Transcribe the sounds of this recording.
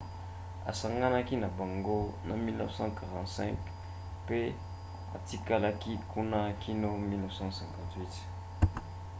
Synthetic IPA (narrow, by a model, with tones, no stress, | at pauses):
a̰˨sa˨ŋɡa˦na˦ki˦na˨ba˨ŋɡo˦na˨mi˦lnɔ˦fsɑ̃˦ka˨ʁɑ̃˨ntsɛ̰̃˦ŋk | pe˦ | a̰˨ti˦ka˦la˦ki˦ku˦na˦kʰi˦no˦mi˦lnɔ˦vsɑ̃˦sɛ̃˨ŋkã˨ntwi˦t